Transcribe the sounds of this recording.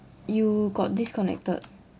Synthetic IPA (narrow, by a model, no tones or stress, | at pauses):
juɡɔt̚diskɔnɛ̰k̚tə̰d